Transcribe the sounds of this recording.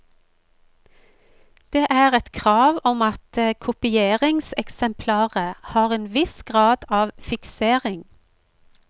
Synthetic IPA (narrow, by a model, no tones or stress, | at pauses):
d̪̥eːʔæːʁɛt̪kʰʁɑːʋɔmɑt̪əkʰʊpɪeːʁɪŋsɛksɛmpʰlɑːʁəhɑːʁeːnʋɪsɡ̥ʁɑːd̪ɑːʋfɪkseːʁɪŋ